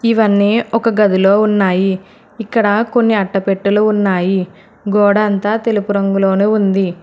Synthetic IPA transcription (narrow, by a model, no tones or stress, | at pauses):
iʋɐnːiːɔkɐɡɐd̪ulo̞ːunːaːjiː | kːɐɽɐko̞nːiɐʈːɐpe̞ʈːuluunːaːji | ɡɔːɽɐːnt̪aːt̪e̞lupuɾɐŋɡulo̞ːnuːund̪i